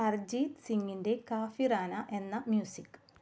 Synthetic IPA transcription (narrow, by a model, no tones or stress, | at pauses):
ɐrd͡ʑiːt̪siŋːinde̞kaːfiɾaːnɐʔe̞nːɐmjuːsikː